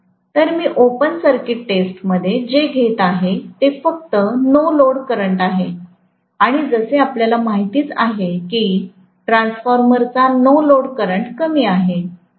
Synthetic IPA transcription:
t̪əɾmiːʔopənsəɾkiʈːesʈməd̪ʱːjed͡ʑeɡʱet̪aɦet̪efək̚t̪ənoloɽkəɾəɳʈaɦe | aɽ̃id͡zəseapljalamaɦit̪iːt͡sa̰ɦekiː | ʈɾãnsfɔɾməɾt͡sanoloɽkəɾəɳʈkəmiːaɦe

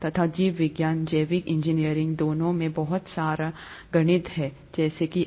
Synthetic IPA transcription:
t̪ɐt̪ʰaːd͡ʒiːʋʋɪɡjaːnd͡ʒɐːʋɪkɪ̃ɲd͡ʒinijəɾɪ̃ŋɡd̪oːnõmẽbɐɦʊt̪saːɾaɡɐɽ̃ɪt̪ɦɛ | d͡ʒɛːseki

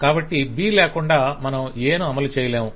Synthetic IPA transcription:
kaːbɐʈːibiːlɛːkuɳɖaːmɐnɐmeːnuɐmɐlut͡ʃɛːjɐleːmu

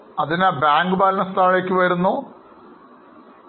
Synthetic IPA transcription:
ɐðinaːbaːŋɡɨbaːlɐnɐst̪ʰaːɭeːkʲːɨʋɐɾunːoː

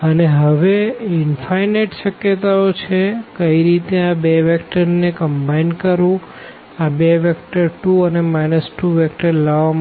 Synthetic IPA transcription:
əneɦəʋeɪnfʰajneʈʃəkjet̪aot͡ʃʰekəiɾit̪eabeʋɛkʈəɾnekəmbainkəɾʋũ | abeʋɛkʈəɾʈuənemajnəsʈuʋɛkʈəɾlaʋam

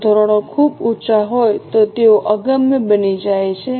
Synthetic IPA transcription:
d̪ʱoɾoɽ̃okʰubutːʃaɦojt̪ot̪eoʔəɡəmjəbənid͡ʒajt͡ʃʰe

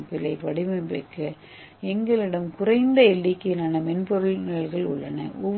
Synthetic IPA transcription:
pɪlːɐɪpɐɽɪmɐpḛːkːɐ | ɛŋɡɐɭɪɽɐmkʊrɐɪnd̪ɐɛɭːɪkːɯnaːnɐmɛnpɔɾɯɭnɪɐɭɣɐɭʊɭːɐnɐ̰ʔɔʋ

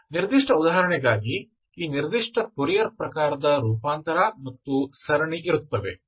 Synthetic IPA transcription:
niɾd̪iʂʈɐud̪aːɦɐɾɐɳɛɡaːɡi | iːniɾd̪iʂʈɐpuɾijɐɾpɾɐkaːɾɐd̪ɐɾuːpaːnt̪ɐɾamɐt̪ːusɐɾɐɳiʔiɾut̪ːɐʋe

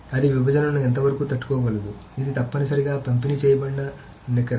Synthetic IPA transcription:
ɐd̪iʋibʱɐd͡ʒɐnɐnuent̪̬ɐʋɐɾɐkuːt̪ɐʈːu̥kɔːɡɐlɐd̪u | id̪it̪ɐpːɐnisɐɾiɡaːpɐmt̪unit͡ʃɛːjɐbɐɳɖɐ | nikːɐɾ

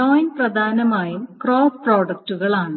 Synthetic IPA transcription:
oːjnprɐd̪ʱaːnɐmaːjumkroːfproːɖɐk̚tːuɣɐɭaːɳɨ

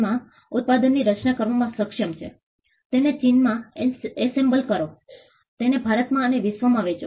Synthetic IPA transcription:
mã | ut̪̚pad̪ənːiɾət͡ʃnakəɾʋamãsəkʂəmt͡ʃʰḛ | t̪enet͡ʃinmãesembəlkəɾo | t̪enebʱaɾət̪mãəneʋɪsʋəmãʋet͡ʃo

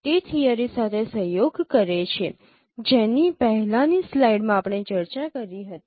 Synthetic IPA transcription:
t̪et̪ʰijaɾisat̪ʰesəɦjoɡkəɾet͡ʃʰe | d͡ʒenipəɦɛlãnislaiɖmãapəɳ̃et͡ʃəɾt͡ʃakəɾiɦət̪i

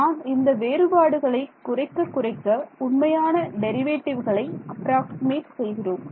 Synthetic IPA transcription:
naːnɪnd̪ɐʋeːɾɯbaːɽɯɣɐɭɐɪkːʊrɐɪkːɐkːʊrɐɪkːɐʊɳmɐjaːnɐɖɛɾɪʋeːʈːɪʋɣɐɭɐɪɐpːɾaːksɪmeːʈsɛjɣɪroːm

